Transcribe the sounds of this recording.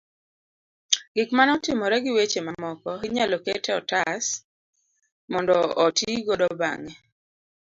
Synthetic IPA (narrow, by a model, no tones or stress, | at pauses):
ɡɪkmanɔtɪmɔɾɛɡɪwet͡ʃemamɔkɔɦiɲalɔketɛɔtas | mɔndɔːtiɡodɔba̰ŋɛ